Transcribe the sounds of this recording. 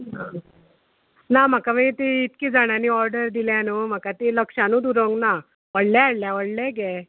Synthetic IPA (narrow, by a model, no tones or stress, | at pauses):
ɦ | nam̤akamət̪iit̪kiːd͡zaɽ̃aniːɔɾɖəɾd̪iljãnuːm̤akat̪iləkʂãnũːd̪uɾəŋɡna | ʋəɽljaaɽljaʋəɽlɛɡɛ